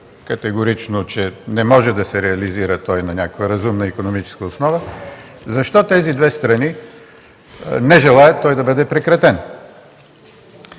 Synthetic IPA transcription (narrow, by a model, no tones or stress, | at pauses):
kɐt̪ɛɡoɾit͡ʃnot͡ʃɛnɛmɔʒɛd̪ɐsɛɾɛɐliziɾət̪ɔjnɐnʲakəkvəɾɐzumnəikonomit͡ʃɛ̥skəʊsnɔvə | zɐʃt̪ɔt̪ɛzid̪vɛst̪ɾɐni | nɛʒɛlˠaɛt̪ːɔjd̪ɐbɤd̪ɛpɾɛkɾɐt̪ɛn